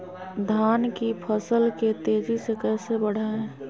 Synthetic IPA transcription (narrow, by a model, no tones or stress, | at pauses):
d̪ʱaːnkipʰəsəlket̪eːd͡ʒisekɛːsebəɽ̤aɛ̃